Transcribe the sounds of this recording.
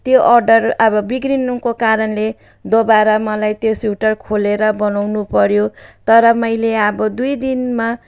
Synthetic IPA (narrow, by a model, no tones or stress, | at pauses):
t̪joʔʌrɖʌrʌbʌbiɡrinumkokaɾʌnle | d̪obaɾʌmʌlajt̪josjuʈʌrkʰoleɾʌbʌnawnupʌɾjot̪ʌɾʌmʌjleʌbʌd̪ujd̪inma